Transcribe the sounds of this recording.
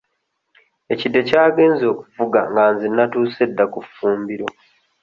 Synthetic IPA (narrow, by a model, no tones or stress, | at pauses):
e̞cidːe̞caːɡe̞ːnzo̞ːku̥fuɡa̰ŋɡaːnzinːatuːse̞dːakufuːmbiɾo